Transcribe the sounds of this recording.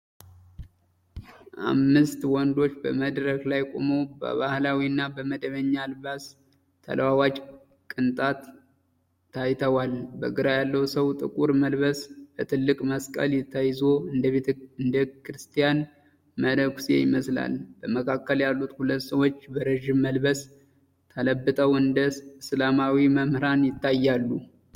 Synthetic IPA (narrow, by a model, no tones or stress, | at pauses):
ʔa̰mːɨst̪wɔnd̪o̞t͡ʃːbəməd̪ɾəklajkʼo̰mobə̰βahlawiɨnːabəməd̪əβəɲːalbas | t̪ʰːə̰lwawat͡ʃʼ | kʼɨnt̪ʼat̪ʰː | ajt̪ʰəwalbəɡɨɾajalːəwsəwt̪ʼɨkʼuɾməlβəsb̥ət̪ʰɨlːɨkʼməskʼə̰ljɪt̪ʰːajzo̞eɨnd̪əkʰɾɨst̪ʰijan | məd̪əkʷsḛjɪməsla̰lb̥əməkʰakːəljalːut̪hulət̪ːsəwot͡ʃːbəɾəʒɪmːəlbəs | t̪ʰələbːɨt̪ʼəwɨnd̪əɨslamawiməmhɾanjɪt̪ʰːajːalːu